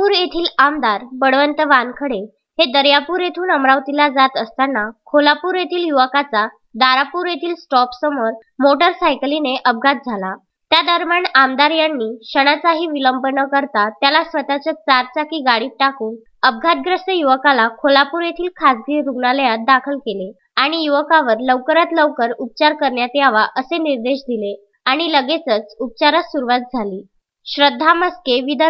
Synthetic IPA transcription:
uːɾjet̪ʰiːlamd̪aɾbəɽʋənt̪əʋankʰəɽe | hed̪əɾjapuːɾjet̪ʰuːnəmɾaʋt̪ilad͡zat̪əst̪anːakʰolapuːɾjet̪ʰiːljuʋəkat͡sa | d̪aɾapuːɾjet̪ʰiːlsʈɔpsəmoɾ | moʈəɾsajklineʔəb̚ɡʱat̪̚d͡zʱala | t̪jad̪əɾmjaɳamd̪aɾjanːiːɕəɽ̃at͡saɦiːʋiləmbənəkəɾt̪at̪jalasʋət̪at͡ɕət͡saɾt͡sakiːɡaɽiːp̚ʈakuːn | əb̚ɡʱat̪̚ɡɾəst̪əjuʋəkalakʰolapuɾet̪ʰiːlkʰasɡiːɾuɡɳaləjat̪̚d̪akʰəlkele | aɽ̃ijuʋəkaʋəɾləʋkəɾat̪ləʋkəɾup̚t͡ɕaɾkəɾɳjat̪eaʋaʔəseniɾd̪eɕd̪ile | aɽ̃iləɡet͡sət͡sup̚t͡ɕaɾasuɾuʋat̪̚d͡zʱaliː | ɕɾəd̪ʱːaməskeʋid̪ə

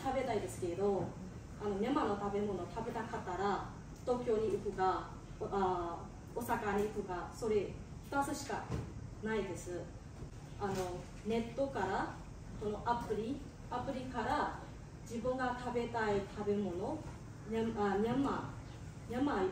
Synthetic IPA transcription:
t̪abe̞t̪aid̪e̞sɨ̥ke̞ɾed̪o̞ | ano̞mʲamano̞t̪abe̞mo̞no̞t̪ʰabe̞t̪akat̪ːaɾa | t̪o̞ːkʲjo̞ːɲ̟iɯkɯ̟ɡa | a | osakaɲ̟iɯkɯ̟ɡaso̞ɾe̞ | ɸɯ̟̥t̪at͡sɨɕi̥ka̰naid̪e̞sɨ | ano̞ | ne̞t̪ːo̞kaɾa | ko̞no̞ʔapɯ̟ɾʲi | apɯ̟ɾʲikaɾa | d͡ʑibɯ̟̃ŋɡat̪abe̞t̪ait̪ʰabe̞mo̞no | ɲaamʲjamːa | ɲʲama

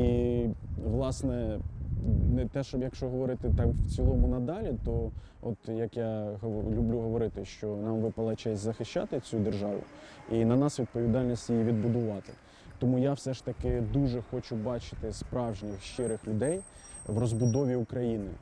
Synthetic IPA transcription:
i | ʋlˠɑsnɛ | nɛt̪ɛʃɔbjɐkʃt͡ʃɔɦɔʋɔɾɪt̪ɪt̪ɑmft͡sʲilˠɔmʊnɐd̪ɑlʲit̪ɔ | ɔt̪jɐkjaɦlʲublʲuɦɔʋɔɾɪt̪ɪʃt͡ʃɔnɑmʋɪpɐlˠɐt͡ʃɛsʲzɐxɪʃt͡ʃɑ̰t̪ɪt͡sʲud̪erʒɑʋʊ̰inɐnɑsʋʲid̪̚pɔʋʲid̪ɑlʲnʲisʲtʲjijiʋʲid̪bʊd̪ʊʋɑt̪ɪ̥ | t̪ɔmujawsɛʃt̪ɐkɪd̪uʒɛxɔt͡ʃʊbɑt͡ʃɪ̥t̪ɪspɾɑwʒnʲixʃt͡ʃɪɾɪxlʲʊd̪ɛjʋrɔzbʊd̪ɔʋʲiukɾɐjinɪ̰

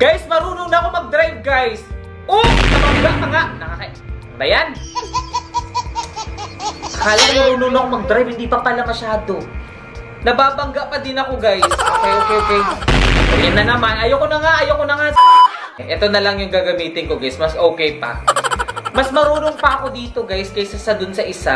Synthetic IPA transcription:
ɡ̥ajsmɐɾuːnoŋnɐɐko̞mɐɡ̚d̪ɾajb̚ɡajs | ʔonɐmɐɡɪɡamɐŋanɐka | bɐjan | kaːlanʊɾunonokomɐɡ̚d̪ɾajb̚hɪnd̪ipɐpɐlamɐʃaːd̪o | nɐbaːbɐŋɡɐʔpɐd̪ɪnɐko̞ɡajsokɛjʔoːkɛjʔokɛjɐjɐnːɐnɐmanʔɐjokonɐŋaʔɐjokonɐŋa | ʔɛt̪o̞nɐlɐŋjʊŋɡɐɡɐmiːt̪ɪnko̞ɡajsmɐsʔo̞ːkɛjpɐ̰ | mɐsmɐɾuːnoŋpɐʔɐko̞d̪iːt̪o̞ɡajskɐjsɐsad̪ʊnsɐʔɪsa

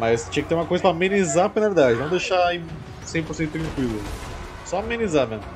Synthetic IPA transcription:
mɐst͡ʃĩɐkɪt̪eɾũmɐkojzɐpɾɐamenizapnaveɾd̪ad͡ʒɪnɐ̃w̃d̪ejʃaĩ | sẽj̃poɾsẽt̪ʊt̪ɾɐ̃kwilʊ | sɔamẽnizamẽnʊ

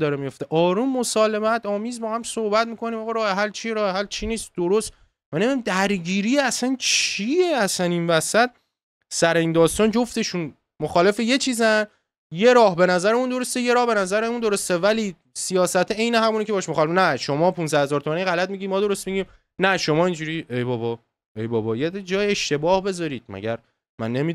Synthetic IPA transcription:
d̪ɒːɾemijo̞ft̪eʔɒːɾuːmːosɒːle̞mæt̪ʰɒːmiːzbɒːhæmsohbæt̪̚miːkʰo̞niːmɒːɣɑɾɒːheɦælt͡ʃʰiɾɒːheɦælt͡ʃʰiniːst̪̚d̪oɾost̪ | mænemdid̪æmd̪æɾɟiːɾijeæsænt͡ʃʰieæsæninvæsæt̪̚ | sæɾeiːnd̪ɒːst̪ɒːnd͡ʒoft̪e̞ʃun | moxɒːle̞feje̞t͡ʃʰiːzæn | je̞ɾɒːhbe̞næzæɾeund̪o̞ɾo̞st̪ejeɾɒːhbenæzæɾeund̪o̞ɾo̞st̪evæliː | sijɒːsæt̪ʰeejneɦæmuːnicʰeɒːʃmoxɒlenæʃo̞mɒːpʰunsæhe̞zɒːɾt̪ʰomæniɣælæt̪̚miɟiːmɒːd̪o̞ɾo̞st̪̚miɟiːm | næʃo̞mɒːind͡ʒuɾiejbɒːbɒ | ejbɒːbɒːjed̪d͡ʒɒːjeʃt̪e̞bɒːhbe̞zɒːɾiːd̪̥̚mæ̰ɟæ̰ɾ | mæ̰nːemi

